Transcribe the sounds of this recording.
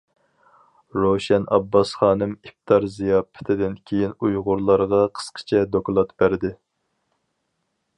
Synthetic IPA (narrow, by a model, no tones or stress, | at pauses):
ɾoʃɛnɑ̰bːɑsχɑːnɨmip̚t̪ʰɑɾzijɑːpʰːɪ̥t̪ʰɪd̪ɪnkʲʰejinujʁʊɾlˠɑɾʁɑqʰə̥sqʰə̥t͡ʃʰɛd̪oklˠɑt̪b̥æɾd̪ɪ